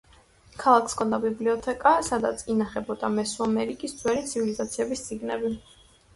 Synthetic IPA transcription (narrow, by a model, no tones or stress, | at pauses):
kʰalˠakʰskʰɔnd̪abibliɔt̪ʰɛkʼasad̪at̪sʰinaχɛbɔd̪amɛsuamɛɾikʼistd̪zʰwɛɾit̪sʰivilizat̪sʰiɛbist̪sʼiɡnɛbi